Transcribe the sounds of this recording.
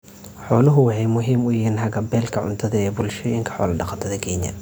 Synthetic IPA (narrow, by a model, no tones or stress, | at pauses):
ħɔːlʊɦʊwɑħɑjmʊɦiːmʊjiːnhɐɡɐbɛːlkʰɐʕʊ̰nt̪ʰɐðɐɛːbʊlʃɔːjɪŋkʰɐ̥ħɔ̰ːlɐɖɑqɑt̪ʰɐðɐkʰɛːnjɐ̰